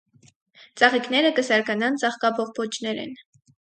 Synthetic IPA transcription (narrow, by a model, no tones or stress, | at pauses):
t͡sɑʁiknɛɾəkəsɑɾkɑnɑnt͡sɑχkɑbɔʁpʰɔt͡ʃʰnɛɾɛ̰n